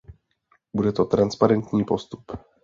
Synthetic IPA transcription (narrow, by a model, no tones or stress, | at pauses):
budɛt̪ot̪ɾanspaɾɛnt̪ɲiːpo̞st̪u̥p